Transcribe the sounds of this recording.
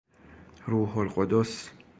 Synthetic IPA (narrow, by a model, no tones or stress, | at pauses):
ɾuːɦolqod̪os